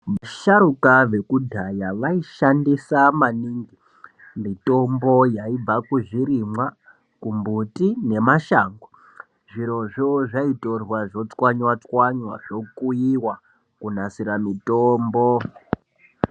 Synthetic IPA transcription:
ʋaʃaɾukaʋe̞kudʱajaʋaiʃandisamaniŋɡi | mito̞mbojaib͡vakuʐiɾimwa | kumbutine̞maʃaːŋɡo | ʐiɾo̞ʐoʐaito̞rwaʐo̞t͡swaɲwat͡swaɲwa̰ʐo̞kujiwa | kunasiɾamitoːmbo

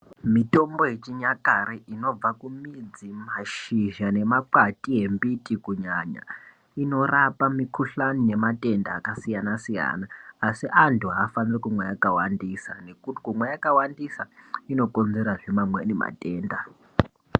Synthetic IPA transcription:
mito̞mbo̞jet͡ʃiɲakaɾeʔino̞b͡vakumid͡zimaʃiʒane̞maǃatiɦe̞mbitikuɲaɲa̰ | ino̞rapamikuɬanine̞mate̞ndaːkasijanasija̰naːsiʔantʰuɦaːfanirikumwejakawandisane̞kuti̥kumwejakawandisaino̞ko̞nze̞ɾaʐemamwenema̰te̞ːnda

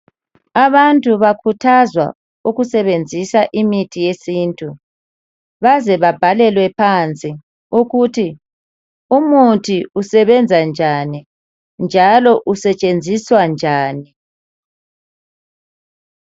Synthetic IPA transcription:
aβantʼuβakʰutʰazwa̰ | uɣusɛβend͡zʱisaʔimitʰijesiːntʼu | βazɛβab̥ʱalɛlwɛpʰant͡sʼi | uɣutʰi | umutʰiusɛβɛnd͡zʱand͡ʒʱani | nd͡ʒʱalɔʔusɛt͡ʃʼend͡zʱiswand͡ʒʱaːni

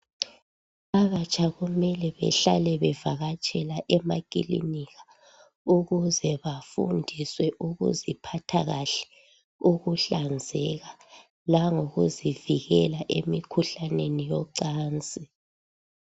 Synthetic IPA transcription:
aβat͡ʃʼaɣumɛlɛβɛ̰ɬalɛβɛvaɣat͡ʃʼɛlaʔɛmakʼḭlḭniɣa | uɣuzɛβafṵndʱiswɛʔuɣṵzipʰatʰaɣaɬɛ̥ | uɣuɬand͡zʱɛɣa | laŋoɣṵziviɣɛlaʔemikʰuɬanenijɔǀaːnt͡sʼi

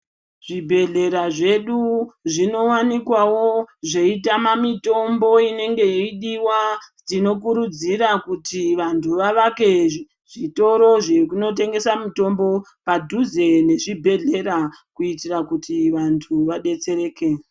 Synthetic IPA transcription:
ʐ̥ibʱe̞ɮe̞ɾaʐe̞ɗuʐino̞wanikwawo̞ʐe̞itamamito̞mbo̞ine̞ŋɡe̞iɗiwad͡zino̞k̬uɾud͡ziɾakutiʋantʰuʋaʋake̞ | ʐ̥ito̞ɾo̞ʐekuno̞t̬e̞ŋɡe̞samito̞mbo̞ | padʱuzene̞ʐibʱe̞ɮe̞ɾakuitirakutiʋantʰuʋaɗe̞t͡se̞ɾe̞ːke̞

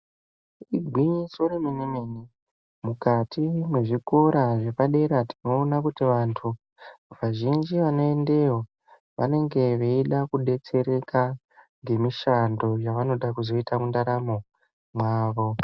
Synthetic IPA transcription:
iɡʱwiɲisoɾemenemeni | mukatʰimwe̞ʐiko̞ɾaʐe̞paɗe̞ɾatino̞ːnakutiʋantʰu | ʋaʒind͡ʒiʋano̞e̞nde̞wo | ʋa̰ne̞ŋɡe̞ʋe̞iɗakuɗe̞t͡se̞ɾe̞ka | ŋɡe̞miʃando̞jaʋano̞ɗakuzo̞itamundaɾamo̞ | mwaːʋo̞

